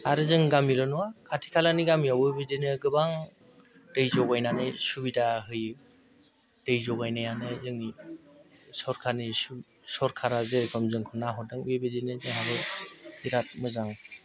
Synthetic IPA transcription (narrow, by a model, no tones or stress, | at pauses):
aɾɯzɯŋɡamilɔnuakʰatʰi̥kʰalaniɡamiawɯbedinɯɡɯbaŋ | d̥ɯjzɔɡajnanɯsubidaɦɯj | dɯjzɔɡajnajanɯzɯŋni | sɔɾkʰanisu | sɔɾkʰaɾazekʰɔmzɯŋkʰɔnːaɦɔdɯŋwebedinɯzɯŋɦaɾɯiɾat̚mɯzaŋ